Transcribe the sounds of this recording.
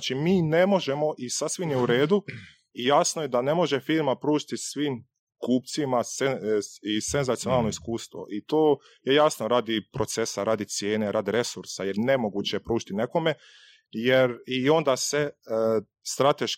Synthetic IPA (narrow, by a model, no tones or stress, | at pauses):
t͡ʃimiːne̞mo̞ʒe̞mo̞ʔisasʋimjeuɾe̞ːd̪u | ijaːsnojed̪ane̞mo̞ʒe̞fiːɾmapɾuːʒit̪isʋiːm | kuːpt̪simaseise̞nzat̪ijo̞naːlˠno̞iskuːst̪ʋo̞̰ʔit̪oː | je̞jasno̞ɾaːd̪ipɾo̞t̪se̞saɾaːd̪it̪sje̞ːne̞ɾaːd̪iɾe̞suɾsajeɾne̞moɡuːt͡ɕepɾuːʒit̪ine̞ko̞me̞ | jeɾio̞nd̪ase | st̪ɾat̪eʃ